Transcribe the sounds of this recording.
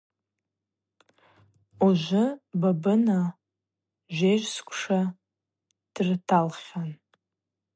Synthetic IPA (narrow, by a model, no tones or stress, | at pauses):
uʒʷʊbabɨna | ʒʷeʒʷskʷʰʼʂa | d̥rtʰalχʲan